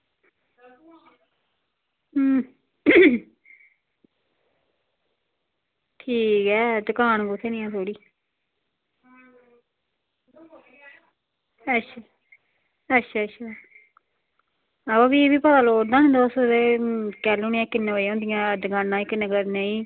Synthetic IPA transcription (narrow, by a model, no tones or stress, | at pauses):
ʈʰiːkɛːd̪ʊkaːnɡʊt̪ʰːeːnɪjãːt̪ʰoːɽiː | ətʃʰaː | ətːʃʰaːətːʃʰaː | əbaːbiːeːbiːpət̪aːloːʈd̪aːnẽːd̪oːsd̪ekɛːluːnɪjãːkɪnːẽoːɦõːnd̪ɪjãːd̪ʊkaːnːãːɪknəɡəɾneĩː